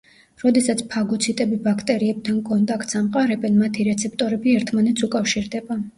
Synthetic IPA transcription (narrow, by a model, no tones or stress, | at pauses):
ɾɔd̪ɛsat̪sʰpʰaɡut̪sʰit̪ʼɛbibakʰt̪ʼɛɾiɛb̚t̪ʰankʼɔnt̪ʼakʰt̪samqʼaɾɛbɛnmat̪ʰiɾɛt̪sʰɛp̚ʰt̪ʼɔɾɛbiɛɾt̪ʰmanɛt̪sʰukʼafʃiɾd̪ɛba